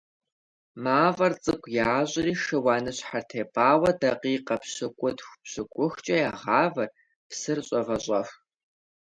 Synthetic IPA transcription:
maːvɐrt͡sʼɨkʷʰʼjaːʑʼɪriːʃɨwɑːnɨɕħartʰeːpʼaːwɐdɐqiːqɐpɕɪkʷʼʊdxʷpɕɨkʷʼʊxt͡ʃʼɐjaːʁɑːvɐr | psɨrɕʼɐvɐɕʼɐx

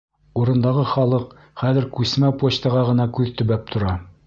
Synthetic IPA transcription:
uɾɤ̆nd̪ɑʁɤχɑlˠɤq | χæðɘ̆ɾkʉsmæpoɕt̪ɑʁɑʁɤ̆nɑkʉðt̪ɵ̆βæp̚t̪ʰŏɾɑ

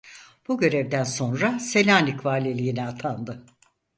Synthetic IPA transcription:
b̥uɟø̞ɾɛvd̪ænso̞nɾase̞lʲaːnikvaːlʲelʲijinɛat̪ʰand̪ɯ

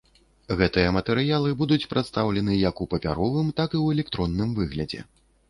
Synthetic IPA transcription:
ɣɛt̪ɨjɐmɐt̪ɛɾɨjalˠɨbud̪ut͡sʲpɾʔat̪st̪awlʲɛnɨjɐkupɐpʲa̰ɾɔvɨmt̪akɨwɛlʲɛk̚t̪ɾɔnːɨmvɨɣlʲɐd͡zʲɛ̰

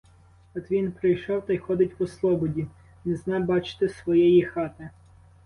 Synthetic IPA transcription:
ɔt̪ʋʲinpɾɪjʃɔwt̪ɐjxɔd̪ɪtʲwɔslˠɔbɔdʲi | nɪznɛbɑt͡ʃɪ̥t̪ɪsʋɔjɛjixɑt̪ɪ

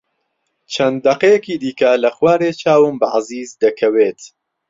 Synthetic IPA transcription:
t͡ʃʰɐnd̪ːɐqejɛkiːd̪iːkɐlɐχwaːɾeːt͡ʃʰaːwɨmbaʔaziːzd̪ɐkʰɐweːt̪

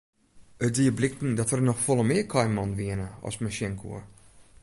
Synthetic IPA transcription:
ət̚diəblɪk̚tn̩dɔtərnɔxfolˠəmɪəkʰɔjmɔnʋiənəɔ̰smaʃjɛŋkʰṵə

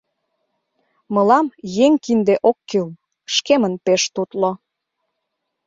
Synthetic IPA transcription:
mɤ̆lɑmjeŋkind̪eʔokːil | ʃkemənpeʃt̪ut̪lo

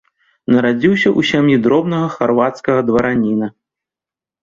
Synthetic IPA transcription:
nɐɾad͡zʲiwsʲɐʔusʲamjid̪ɾɔbnɐɣɐxarvat̪skɐɣɐd̪vɐɾanʲinɐ

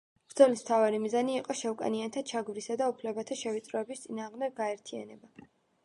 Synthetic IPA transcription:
b̥ɾd̪zɔlismt̪ʰavaɾimizaniːqʼɔʃɛvkʼa̰niant̪ʰat͡ʃʰaɡvɾisad̪aupʰlɛbat̪ʰaʃɛvit̪sʼɾɔɛbist̪sʼinaːʁmd̪ɛɡɡaɛɾt̪ʰia̰nɛba

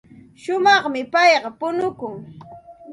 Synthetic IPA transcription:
ʃʊmɑχmɪpɑjɢɑpʊnʊkʊŋ

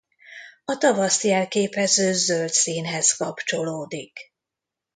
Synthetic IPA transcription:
ɒt̪ɒvɒsijɛlkeːpɛzøːzølt̪siːnɦɛskɒpt͡ʃo̞loːd̪ik

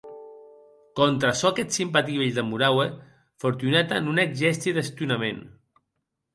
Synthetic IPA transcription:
kɔnt̪ɾasɔakɛt̪simpat̪iβeʎd̪əmuɾawe | foɾt̪unɛt̪anuneɡʒɛst̪iðəst̪junamen

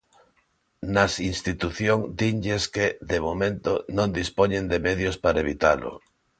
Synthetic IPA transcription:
nasinst̪it̪uθjoŋd̪iɲʎeskeðemomẽnt̪onõnd̪ispoɲẽnd̪emeðjospaɾaeβ̞it̪alʊ̰

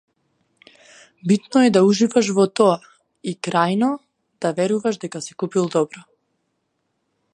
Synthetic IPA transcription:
bit̪nɔɛd̪auʒivaʃ̬vɔt̪ɔa | ikɾajnɔ | d̪̥avɛɾuvaʃd̪ɛkasikupilˠd̪ɔbɾɔ

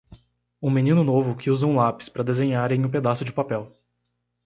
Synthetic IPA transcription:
ũminĩnʊnovʊkɪuzɐũlapɪ̥spɾɐd̪ezẽɲaɾẽj̃ʊ̃ped̪asʊd͡ʒɪpapɛw

